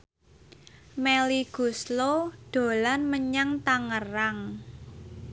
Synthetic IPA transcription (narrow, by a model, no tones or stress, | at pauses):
meliɡ̥usloɖ̥o̤lanməɲaŋt̪aŋəraŋ